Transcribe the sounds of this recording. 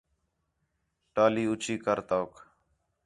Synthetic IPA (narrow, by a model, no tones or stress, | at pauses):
ʈaːliːʊt͡ʃʰiːkəɾt̪oːk